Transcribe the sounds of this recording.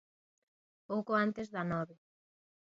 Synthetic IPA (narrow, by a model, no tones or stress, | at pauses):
powkoant̪ezðanɔβe